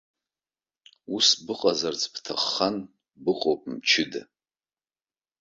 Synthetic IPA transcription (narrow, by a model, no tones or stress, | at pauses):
usbɨqʼazart͡sʼptʰaχːan | bɨqʼowpʼmt͡ʃʰɪda̰